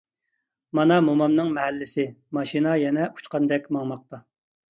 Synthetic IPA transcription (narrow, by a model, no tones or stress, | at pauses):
mɑnɑmomɑmnɨŋmɛɦɛlːɪsɪmɑʃinɑjɛnɛʔu̥t͡ʃqɑnd̪ɛkʲmɑŋmɑq̚t̪ɑ